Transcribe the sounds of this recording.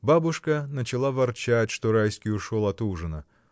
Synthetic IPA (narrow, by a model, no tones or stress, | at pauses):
babʊʂkənət͡ɕɪlˠavɐrt͡ɕætʲʂt̪oɾajsʲkʲɪjʊʂolˠɐt̪uʐɨnə̰